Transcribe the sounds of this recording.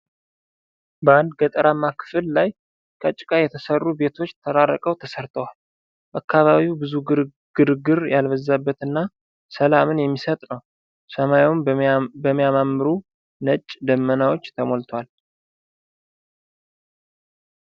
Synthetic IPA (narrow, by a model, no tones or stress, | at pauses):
bəand̪ɡət̪ʼəɾamːakʰːɨ̥fɨlːaj | kʰəat͡ʃʼːɪ̥kʼajɛt̪ʰəsərːube̞t̪ʰo̞t͡ʃːt̪ʰəɾaɾːəkʼəwt̪ʰəsəɾt̪ʰəwal | bʔakːaβaβiwbɨzu | ɡ̥ɨɾɨɡɨɾjalβəzːabːət̪ɨnːa | səlamɨnjɛmːisət̪ʼnəw | səmajunbəmːijamamːɨɾu | nət͡ʃʼːd̪əmːənawo̞t͡ʃːt̪ʰəmolt̪ʰəwal